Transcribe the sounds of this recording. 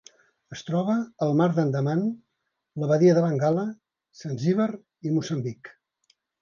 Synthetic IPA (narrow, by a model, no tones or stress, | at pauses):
əst̪ɾɔβ̞əːlˠmaɾd̪ənd̪əman | ləβəðiəðəβəŋɡalə | sanziβər | imusəmbik